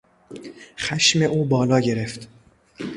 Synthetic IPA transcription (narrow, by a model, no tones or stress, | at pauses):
xæʃme̞ʔuːbɒːlɒːɟe̞ɾeft̪